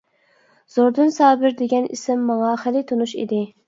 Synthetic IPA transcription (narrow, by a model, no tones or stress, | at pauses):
z̥oɾd̪ɨnsɑːbɪɾd̪eɡʲɛnḭsɪmːɑŋɑχɪlɪt̪ʰonuʃḭd̪ɪ